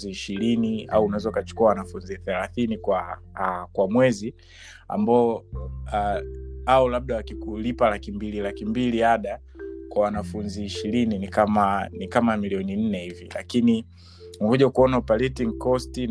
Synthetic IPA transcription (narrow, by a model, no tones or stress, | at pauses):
ziːʃilinia̰uːnawɛzɔukat͡ʃu̥kuawanafunziθɛlaθinikwa | kwamwɛzi | a̰mbaɔaaɔlab̚ɗawakikulipalakimbililakimbiliaɗa | kwawanafunziːʃilininikamanikamamiliɔnin̩nɛhivḭla̰kini | huʄaukuɔnaupalɛtiŋkɔstin